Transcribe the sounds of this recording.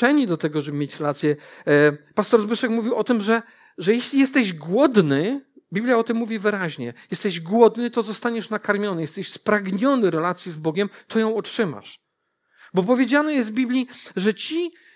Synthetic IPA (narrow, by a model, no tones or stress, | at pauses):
ɛɲid̪ɔt̪ɛɡɔʐɛbɘmʲjet͡ɕɾɛlat̪sʲjɛ | past̪ɔɾzbɘʂɛkmuvʲiwʔɔt̪ɘmʐɛ | ʐɛjɛɕlʲijɛst̪ɛʑɡwɔd̪nɘ | bʲiblʲjaɔt̪ɘmːuvʲivɘɾaʑɲɛjɛst̪ɛʑɡwɔd̪nɘt̪ɔzɔst̪aɲɛʂnakaɾmʲjɔnɘjɛst̪ɛɕspɾaɡɲɔnɘɾɛlat̪sʲjizbɔɡʲɛmt̪ʰɔjɔ̃w̃ɔtʂɘma̰ʂ | bɔpɔvʲjed͡ʑanɛjɛsvbʲiblʲiʐɛt͡ɕi